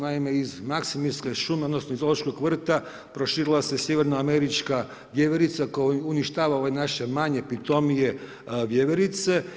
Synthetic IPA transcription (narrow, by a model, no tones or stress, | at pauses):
naime̞izmaksimiɾskeʃumeod̪nosnoizolˠoʃkoɡʋr̩t̪a | pɾo̞ʃiːɾilˠase̞sjeʋe̞ɾnaːme̞ɾit͡ʃka | ʋjeʋeɾit̪sakojuniʃt̪aːʋaoenaʃe̞maɲe̞pit̪o̞mije̞ | ʋjeʋeɾit̪se̞